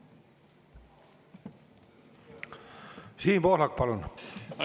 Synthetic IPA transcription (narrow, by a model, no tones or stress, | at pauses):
siːmpohlɑkpɑlun